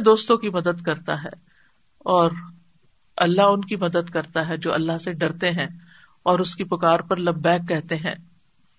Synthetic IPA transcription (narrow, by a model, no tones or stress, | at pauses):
d̪oːst̪õkimɐd̪əd̪kɐɾt̪aɦɛː | ɔːɾ | ɐlːaɦʊnkimɐd̪əd̪kɐɾt̪aɦɛd͡ʒoːɐ̰lːaɦseɖɐɾt̪eɦɛ̃ː | ɔːɾʊskipʊkaːɾpɐɾlɐbːɛːkːɛɦt̪eɦɛ̰̃ː